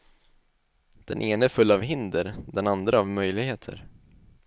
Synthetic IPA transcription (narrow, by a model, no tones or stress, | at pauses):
d̪̥ɛ̰nʔeːnəfɵlːavɦɪnd̪əɾd̪ɛnand̪ɾəavmœjlɪɡɦeːt̪ʰə̰ɾ